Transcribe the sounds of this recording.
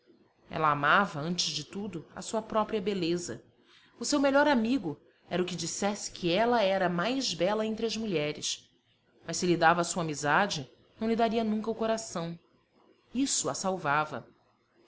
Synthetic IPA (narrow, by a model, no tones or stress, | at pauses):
ɛ̰lɐamavɐɐ̃t͡ʃɪzd͡ʒɪt̪ud̪ʊɐ̰suɐpɾɔpɾiɐbelezɐ̰ | ʊsewmeʎɔɾamiɡʊ | ɛɾɐʊkɪd͡ʒisɛsɪ̥kʰiɛlɐɛɾɐmajzbɛlɐẽnt̪ɾɪɐzmuʎɛɾɪ̰s | mɐʃssɪlid̪avɐaːsuɐamizad͡ʒɪ | nɐ̃w̃lid̪aɾiɐnũŋkɐʊkoɾasɐ̃w̃ | isʊɐsawvavɐ̰